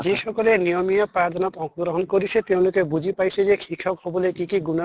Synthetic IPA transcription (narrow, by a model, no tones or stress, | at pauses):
d͡ʒeʃɔkɔlenijɔmijɔpɾaɾd̪ʱɔnɔt̪ɔ̃k̚uɡɾɔɦɔnkɔɾit͡ʃʰet̪ew̃lokebud͡ʒʱipajsʰed͡ʒekʰikʰɔkɦɔbɔlekikiɡuna